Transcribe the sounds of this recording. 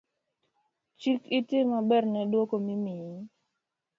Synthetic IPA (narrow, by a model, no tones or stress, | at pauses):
t͡ʃikitɪmabɛrnɛdwokomimii